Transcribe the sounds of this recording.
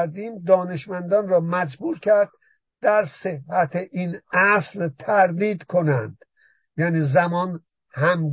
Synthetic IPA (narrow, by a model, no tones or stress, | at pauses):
ɾd̪iːmd̪ɒːne̞ʃmænd̪ɒnrɒːmæd͡ʒbuːɾcʰæɾd̪̥̚ː | æɾse̞hhæt̪ʰeʔinæslt̪ʰæɾd̪iːd̪kʰonænd̪̥ | jæːniːzæmɒːn | hæmɡ